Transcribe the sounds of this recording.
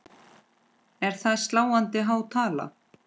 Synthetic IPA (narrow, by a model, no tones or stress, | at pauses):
ɛɾ̥θaðst̪laːwant̪ɪɦawt̪ʰaːla̰